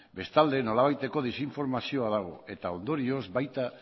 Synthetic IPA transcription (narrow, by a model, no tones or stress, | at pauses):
best̪ald̪enolaβ̞ajt̪ekoð̞isiɱfoɾmasjoaðaɣ̞o̰et̪aond̪oɾiozβajt̪a